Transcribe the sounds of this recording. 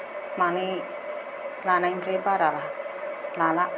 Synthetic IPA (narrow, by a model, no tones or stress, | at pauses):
mani | lanaiŋpɾepaɾala | lalaʔ